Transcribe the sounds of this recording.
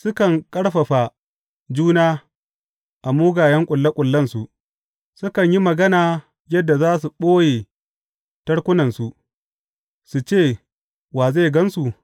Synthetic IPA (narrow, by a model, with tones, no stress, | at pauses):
sʊ˦kɐ˨ŋkʼɐ˦ɽɸɐ˨ɸa˨ | d͡ʒuː˦naː˦ | ʔa˨muː˦ɡaː˨jɐ˦ŋkʷʼʊ˨lːa˦kʷʼʊ˨lːɐ˦nsu˨ʔ | sʊ˦kɐ˨ɲji˦mɐ˨ɡɐ˦naː˨ | jɐ˦dːa˨zaː˦s̬u˨ɓoː˦jeː˨ | tɐ˦ɽkʷʊ˦nɐ˨nsu˨ʔ | su˨t͡ʃeː˦˨ | waː˨ze˦˨ɡɐ˦nsu˨